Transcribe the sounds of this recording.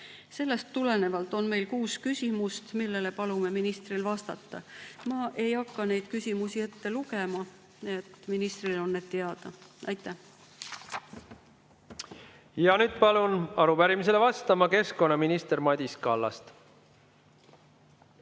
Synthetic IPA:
se̞lːe̞st̪ːule̞ne̞vɑlt̪ˑo̞nme̞jlkuːskysʲimust̪milːe̞le̞pɑlume̞minist̪rilvɑst̪ɑt̪ːɑ̰mɑʔe̞jɑkːɑne̞jd̪̥kysʲimusie̞t̪ːe̞luke̞mɑ | et̪ːˑminist̪rilo̞nːed̪̥̚t̪e̞ɑd̪̥ɑʔɑjt̪ːˑæh | jɑnyːd̪̥pɑlunɑɾupæɾimis̬elevɑst̪ɑmɑke̞sko̞nːɑminist̪eɾmɑd̪ʲiskɑ̰lːɑ̰st̪

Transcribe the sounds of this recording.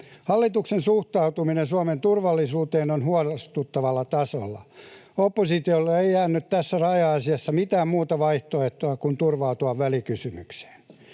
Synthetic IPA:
hɑlːit̪uksensuht̪ɑut̪uminensuɑment̪urʋɑlːisuːt̪eːnonhuɑlst̪ut̪ːɑʋɑlːɑt̪ɑso̰lːɑ̰opːosit̪iolːeeiæːnːyt̪t̪æsːærɑjɑɑsiɑsːɑmit̪æːmmuːt̪ɑʋɑiht̪oeht̪oɑkunt̪urʋɑut̪uɑʋʋælikysymykse̥ːn

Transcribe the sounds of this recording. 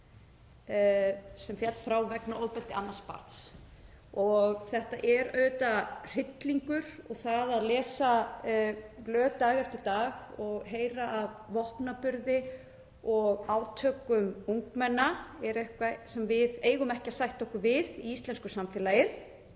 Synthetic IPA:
sɛmfjɛt̪fɾawvɛknaʔoːwpɛlt̪ɪʔanːaspa̰ɾt̪s | ɔɣθɛht̪aʔɛɾœːɥt̪ar̥ɪt̪liŋkʏɾ̥ɔɣθaðaðlɛːsa | plœːt̪aːɣaɾ̥t̪ʰɪlt̪aːɣɔɣɦeːjɾaʔavvɔhpnapʏɾðɪ | ɔɣaːwt̪ʰœːkʏmuŋkmɛnːaɛɾehkvasɛmvɪðeːjɣʏmɛhcɪasajht̪ɔhkʏɾvɪðiist̪lɛnskʏ̥samfɛːlaːjɪ̥

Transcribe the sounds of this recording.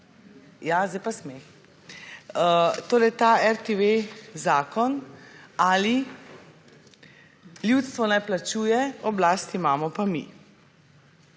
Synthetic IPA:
jazd̪ɛjpasmex | ət̪oːɾɛjt̪aɛɾt̪eʋezaːkɔn | ali | ljut̪st̪ʋɔnɛplat͡ʃuːjɛɔblaːst̪imaːmɔpamḭ

